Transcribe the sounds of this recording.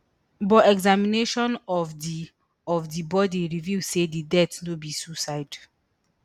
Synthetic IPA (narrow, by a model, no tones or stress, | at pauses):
bɔɛɡzamineʃɔ̃nɔfdi | ɔvdibɔdiɹivisedidɛtnobisusaɪd